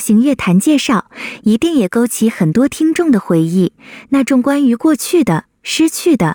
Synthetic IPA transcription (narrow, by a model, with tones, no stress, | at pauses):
ɕi˧˥ŋɥɛ˥˩t̪ʰa˧˥nt͡ɕjɛ˥˧ʂɑ˥˩ʊi˧˥t̪i˥˩ŋjɛ˨˩ko˥ʊt͡ɕʰi˧˥xə˨˩nt̪wɔ˥t̪ʰi˥ŋʈ͡ʂʊ˥˩ŋd̪ə˩xwe˧˥ɪi˥˩na˥˩ʈ͡ʂʊ˥˩ŋkwa˥ny˧˥kwɔ˥˧t͡ɕʰy˥˩d̪ə˩ | ʂɻ̩˥t͡ɕʰy˥˩d̪ə˩